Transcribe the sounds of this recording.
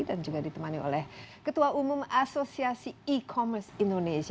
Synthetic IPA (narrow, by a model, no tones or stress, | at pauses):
dand͡ʒuɡadit̪əmanio̰lɛhkət̪uaʔumumasosiasiikʰɔmərsindonesi